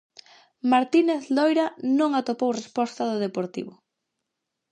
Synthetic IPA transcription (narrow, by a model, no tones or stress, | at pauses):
maɾt̪ineθlojɾanõŋat̪opowrespɔst̪aðoðepoɾt̪ḭβʊ